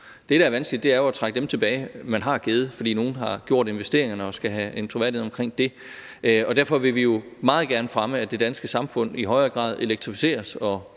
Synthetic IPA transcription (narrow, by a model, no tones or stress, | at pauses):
d̥e̝ɾ̥ææɐʋænsɡ̥lid̥e̝æɐjo̝æt͡sʰʁäɡ̥ədemt͡sʰe̝b̥ɛːɪmænɦɑ̈ɡ̥eð̞ˠəfɒ̽d̥ḭːno̝ːn̩ɦɑ̈ɡ̥jo̝ɐ̰ɾe̝nʋesd̥e̝ɐe̝ŋɐnəɒ̽sɡ̥æɦæent͡sʰʁoʋæɐ̰dihḛɒ̽mkʰʁeŋ̰d̥e̝ | ʔɒ̽d̥æɐ̰fɒ̽ʋe̝ʋijo̝mɑ̈ːð̞̩ˠɡ̥æɐnəfʁaməæd̥e̝d̥ænsɡ̥əsɑ̈mfɔ̽n̰iɦɒ̽ɪɐːɡ̥ʁɑ̰̈ːð̞ˠe̝leɡ̥̚t͡sʰʁifi̥se̝̰ːɐsɒ̽